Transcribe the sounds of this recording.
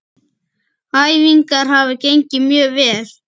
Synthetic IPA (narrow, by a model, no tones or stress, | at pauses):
ajviŋkaɾ̥ɦavɪcejɲcɪmjœːɣvɛːl̥